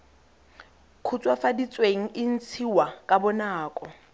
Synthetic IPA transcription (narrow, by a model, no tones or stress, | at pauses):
kʰut͡sʼwafadit͡sʼweŋ̩ʔɪn̩t͡sʰiwakʼabɔnaːkʼɔ